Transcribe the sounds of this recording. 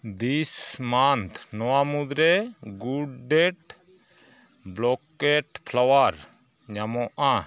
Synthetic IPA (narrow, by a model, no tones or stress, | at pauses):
d̪ismant̪ʰnɔwamud̪ɾɛɡuɖɖɛʈ | blɔkɛʈpʰlawaɾ | ɲamɔʔa